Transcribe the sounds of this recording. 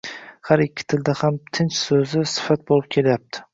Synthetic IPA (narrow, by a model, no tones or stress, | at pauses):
haɾɪkʲːɪ̥t̪ʰɪld̪ahamt̪ʰɪnt͡ʃsɵzɪsɪ̥fat̪̚bolɪp̚kʲʰe̞lajap̚t̪ʰɪ̥